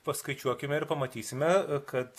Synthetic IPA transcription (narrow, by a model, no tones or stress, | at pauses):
pɐskɐɪt͡ʃʲuɔkʲɪmʲɛɪɾpɐmɐt̪ʲiːsʲɪmʲɛkɐt̪